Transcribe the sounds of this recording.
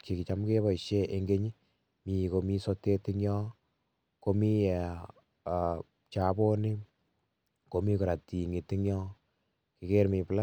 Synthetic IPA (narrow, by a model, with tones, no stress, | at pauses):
ki˨ki˨t͡ʃa˦mke˦βɔ˨i˨ʃe˦ʔe˨ŋɡe˦ɲi˦ | mi˨ko˨mi˦sɔ˦te˦tɪ˦ŋjɔ˦ | ko˧mi˦ɛ˨ | t͡ʃa˨bo˦nɪ˦ | ko˨mi˦kʊ˨ɾa˨ti˨ŋi˨tɪ˦ŋjɔ˦ | ki˨ke˦ɾmi˨pla˦